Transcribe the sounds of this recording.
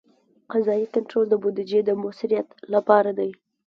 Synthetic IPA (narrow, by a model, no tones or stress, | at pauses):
qazɑikaɳʈɾold̪əbod̪ɪd͡ʒed̪əmʊsɪɾijat̪lapɑɾad̪aj